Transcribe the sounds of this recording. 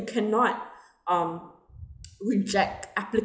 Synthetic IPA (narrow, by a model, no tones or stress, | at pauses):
kʰanɔt̚ | ʌ̃m | ɹɪd͡ʒɛk̚taplɪk